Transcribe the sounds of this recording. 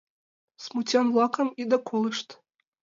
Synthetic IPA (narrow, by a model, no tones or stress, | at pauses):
smutʲɑnvlˠɑkɤ̆mid̪ɤ̆kʰolˠɨʃt̪